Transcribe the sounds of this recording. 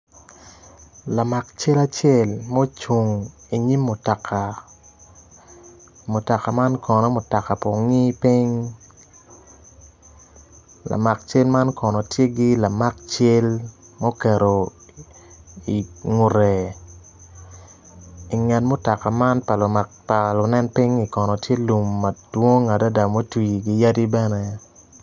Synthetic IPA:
la˨ma˨kt͡ʃe˦la˦t͡ʃe˦lmo˦t͡ʃu˨ŋi˨ɲi˦mːo˨ta˨kʰa˨ | mo˨ta˨ka˨ma˦nkɔ˨nɔ˨mo˨ta˨ka˨po˨ŋi˦pi˦ŋ | la̰˨ma˨k̚t͡ʃe˦lma˦nkɔ˨nɔ˨tje˦ɡi˦la˨ma˦k̚t͡ʃe˦lmo˦kɛ˨ɾo˨ | i˨ŋu˨ɾe˨ | i˨ŋɛ˨tmo˦ta˨ka˨ma˦npa˨l | pa˨lʊ˨nɛ˦npi˦ŋi˨kɔ˨nɔ˨tje˦lu˨mːa˨d̥wo˦ŋa˨da˦da˨mo˦twi˨ɡi˨ja˦di˦bɛ˦ne˦

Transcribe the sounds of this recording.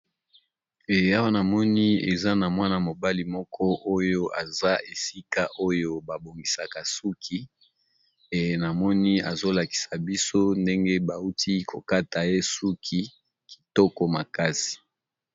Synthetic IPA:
e˨a˦wa˦na˨mɔ˦ni˦ḛ˨za˦na˨mwa˦na˨mo˨ba˦li˨mɔ˦kʰɔ˦ʔo˦jo˦ʔa˨za˦e˨si˦ka˦ʔo˦jo˦ba˨bo˨ŋɡi˨sa˨ka˨su˦kʰi˦ | e˨na˨mɔ˦ni˦a̰˨zo˦la˨ki̥˨sa˨bi˦so˦nde˦ŋɡe˦ba˨u˦tʰi˦kʰo˨ka˦ta˨je˦su˦kʰi˦ | ki̥˨tɔ˦kɔ˨ma˨ka˦si̥˨

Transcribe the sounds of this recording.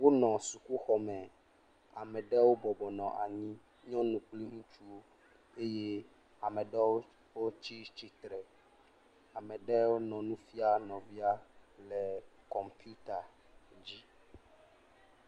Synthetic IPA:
wo˦nɔ̃˨su˨ku˦xɔ˨mɛ̃˨ | a˨mɛ̃˨ɖɛ˦wo˦bɔ˨bɔ˨nɔ̃˨ʔa˨ɲĩ˦ | ɲɔ̃˦nũ˨k͡pli˦ŋũ˦t͡ʃu˦o˦ | e˦je˦ | a˨mɛ̃˨ɖɛ˦w | wo˦t͡ɕi˦t͡ɕi˦t̪ɾɛ˨ | a˨mɛ̃˨ɖɛ˦wo˦nɔ̃˨nũ˦fi˦a˦nɔ̃˨vi˦a˦lɛ˨kɔ˨mpi˦u˦t̪a˨ | d͡ʑi˦

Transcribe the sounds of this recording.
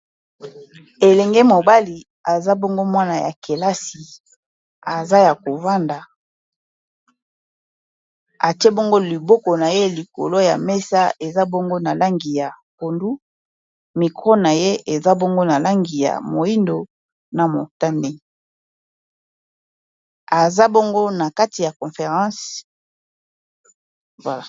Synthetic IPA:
e˨lɛ˨ŋɡe˦mo˨ba˦li˨ | a˨za˦bo˦ŋɡo˦mwa˦na˨ja̰˨ke˨la˦si˨ | a˨za˦ja˨ko˨va˦nda˨ | a˨te˦bo˦ŋɡo˦li˨bo˦kɔ˨na˨je˦li˨ko̰˨lo˦ja̰˨mɛ˦sa˦ʔe˨za˦bo˦ŋɡo˦na˨la˦ŋɡi˨ja˨ko˨ndu˦ | mi˨kʁo˦na˨je˦e˨za˦bo˦ŋɡo˦na˨la˦ŋɡi˨ja̰˨mo˨i˦ndo˨ | na˨mo̰˨ta˦nde˦ | a˨za˦bo˦ŋɡo˦na˨ka˦ti˨ja˨kɔ̃˨fe˨ʁɑ̃˦s | vwa˨la˨

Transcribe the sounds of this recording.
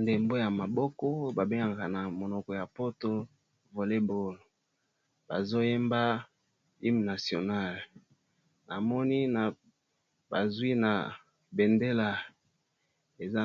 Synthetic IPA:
nde˨mbo˦ja˨ma˨bɔ˦kɔ˦ba˨be˦a˨ŋɡa˨na˨mo˨nɔ˨kɔ˨ja˨po˦to˦ | vo˨le˦bo˦lo˨ | ba˨zo˦je˦mba˦ | li˦mna˨sjo˨na˦˨l | na˨mɔ˦ni˦na˨ | ba˨zwi˦na˨ | be˨nde˦la˨ | e˨za˦

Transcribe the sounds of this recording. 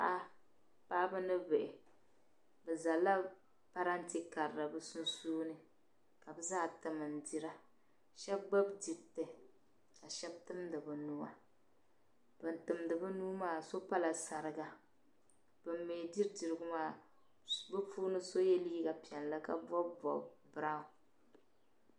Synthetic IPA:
a˦ʔa˦ | paː˦bɨ˦nɨ˦bɪ˨ʔɪ˨ | bɛ˨za˨lːa˦ | pa˦ɾa˦n̩˦ti˦ka˨ɾɾa˨bɨ˦su˦nsuː˦nɨ˦ | ka˨bɨ˦zaː˦˨tɨ˨mɨ˨n̩˨di˨ɾa˦ | ʃɛ˦b̚ɡ͡ba˦bdi˨tɨ˨ | ka˨ʃɛ˦b̚tɨ˦mdɨ˨bɨ˨nu˦a˨ | bɨ˨ntɨ˨mdɨ˨bɨ˦nuː˦maː˦so˦pa˦la˨sa˨ɾɨ˨ɡa˦ | b̥ɨ˨mːeː˨di˦ɾdi˨ɾɨ˨ɡʊ˦maː˦ | bɨ˦fuː˦nɨ˦so˦jɛ˦li˦ɡa˨pi˨ɛ˨n˨la˦ka̰˦bɔ˦bbɔ̰˨bɾa˦ʊ˨

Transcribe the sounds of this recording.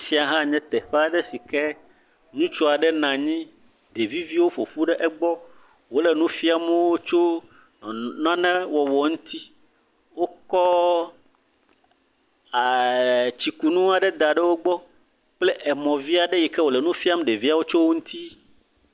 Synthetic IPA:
si˨˦a˨ɦã˦ɲɛ̃˦t̪ɛ˨ɸa˨ɖɛ˦si˨kɛ˦ | nũ˦t͡ʃo˦a˨ɖɛ˦nã˨ɲĩ˦ | d̪e˨vi˦vi˦wo˦ɸo˨fu˦ɖɛ˦ʔɛ˦ɡ͡bɔ˦ | wo˦lɛ˨nũ˦fi˦a˦m˦wo˦t͡ʃo˦˨ | nã˦nɛ̃˦wɔ˨wɔ˨ŋũ˦t̪ʰi˦ | wo˦kɔ˦ | a˨t͡ɕi˨ku˨nũ˦a˨ɖɛ˦d̪a˨ɖɛ˦wo˦ɡ͡bɔ˦ | k͡ple˦ʔɛ˨mɔ̃˨vi˦a˨ɖɛ˦jɛ˨kɛ˦wo˨le˨nũ˦fi˦a˦mɛ˦ɖe˨vi˦a˦wo˦t͡ʃo˦wo˦ŋũ˦t̪ʰi˦

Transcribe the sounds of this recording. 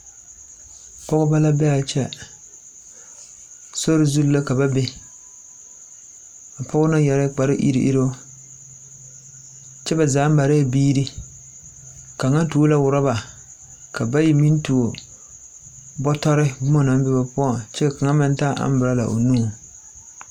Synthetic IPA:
pɔ˦ɣʊ˦ba˦la˦bɛ˦a˨t͡ʃɛ˦ | so˦ɾɪ˨zu˦lla˦ka˨ba˦bɪ˦ | a˨pɔ˦ɣʊ˦na˦jɛ˨ɾɪ˦k͡pa˨ɾɪ˦ʔḭ˦ɾḭ˦ʔḭ˦ɾo˦ | t͡ʃɛ˦ba˨zaː˨˦ba˨ɾe˦˨biː˦ɾi˦ | ka˨ŋa˦tu˨o˦la˦wʊ˨ɾa˦ba˨ | ka˨ba˦ji˨mi˦n˦tu˨o˨ | bɔ˦tɔ˦ɾɪ˦bʊ˦ma˦na˨m˦bɪ˦ba˦pʊ˦a˨t͡ʃɛ˦˨ka˨ŋa˦mɪ˦n˦taː˦ʔa̰˦m˦bɪ˨ɾa˦la̰˨ʔo̰˨nuː˦˨

